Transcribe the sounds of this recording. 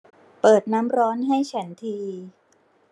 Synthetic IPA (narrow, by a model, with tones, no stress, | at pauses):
pɤː˨˩t̪̚naː˦˥mɾɔː˦˥nɦa˥˩jt͡ɕʰɛ˩˦nt̪ʰiː˧